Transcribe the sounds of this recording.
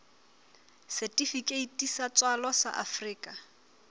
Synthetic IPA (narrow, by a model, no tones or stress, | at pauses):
sɛtʼifikʼeitʼisat͡sʼwalɔsa̰ʔafriːkʼa